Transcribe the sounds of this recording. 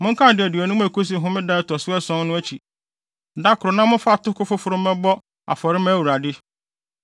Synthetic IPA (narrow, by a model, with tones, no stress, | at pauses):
mʊ̃˦ŋ̩˦kʰã˦˨dɪ˨æ˨dɥɔ˨nʊ̃˦m̃˦æ˨ko˦s̬i˨ɦʊ̃˦mɪ̃˦da˦tɔ˨sʊ˦ɛ˦sɔ̃˦nnʊ̃˦æ˦t͡ɕʰi˨ | da˦kʊ˨ɾɔ˨nã˦mʊ̃˦fa˦˨tʊ˦kʊ˦fʊ˦fʊ˨˦ɾʊ̃˦mɛ̃˦bɔ˦ | a̰˨fɔ˨ɾɪ˦mɛ̃˦wu˨ɾa˨dɪ˦